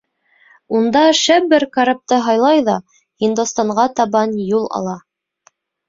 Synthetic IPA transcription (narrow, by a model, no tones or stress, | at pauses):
und̪ɑʃæpbɘɾkɑɾap̚t̪ɤɦɑjlˠɑjðɑ | hind̪ost̪ɑɴɢɑt̪ɑβɑnjulˠɑ̰lˠɑ